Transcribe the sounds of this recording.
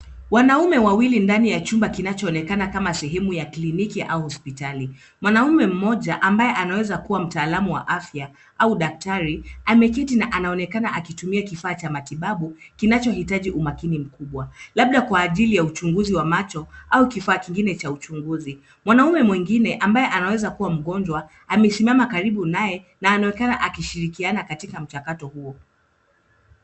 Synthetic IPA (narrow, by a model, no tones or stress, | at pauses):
wanaumɛwawilindanijat͡ʃumbakinat͡ʃɔːnɛkanakamasɛɦɛmujaklinikiʔa̰uhɔspitali | mwanaumɛm̩mɔʄaʔambajɛʔanawɛzakuwam̩taːlamuwa̰ʔafja | ʔauɗak̚taɾiamɛkɛtinaʔanaɔnɛkanaʔakitumiakifaːt͡ʃamatiɓaɓukinat͡ʃɔhitaʄiʔumakinim̩kuɓwalaɓ̚ɗakwaːʄilijaut͡ʃuŋɡuziwamat͡ʃɔʔaukifaːkiŋɡinɛt͡ʃaut͡ʃuŋɡuzi | mwanaumɛmwiŋɡinɛʔambajɛʔanawɛzakuwam̩ɠɔnd͡ʒwa | amɛsimamakaɾiɓunajɛ | naːnawɛkanaʔakiʃiɾikianakatikam̩t͡ʃakatɔhuɔ